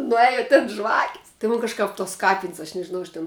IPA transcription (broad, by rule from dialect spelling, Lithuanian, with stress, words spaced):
nʊˈeːjɛ tʲɪn ˈʒʋɑːkʲɪs tʲɪ ˈmʊn kɐʃˈkɐp toːs ˈkɑːpʲɪnʲsʲ ɐʃ nʲɛʒʲɪˈnɐʊ ɐʃ ˈtʲɪn